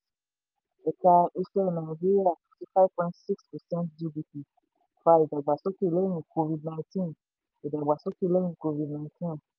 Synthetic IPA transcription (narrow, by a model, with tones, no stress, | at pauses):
ɛ˨ka˧e˧sɛ˧na˨i˨d͡ʒi˦ɾi˦a˦˨ti˦fa˦vpɔ̃˧˦tsi˦kspɛ˨sɛ̃˦ntd͡ʒi˧bi˧pi˨ | fa˧i˨da˨ɡ͡ba˨so˦ki˦˨lo˦j̃ĩ˧ko˧vi˨dnã˧ĩ˧tĩ˦n | i˨da˨ɡ͡ba˨so˦ki˦˨lo˦jĩ˧ko˧vi˧˨dnã˨ɪ̃tĩ˦n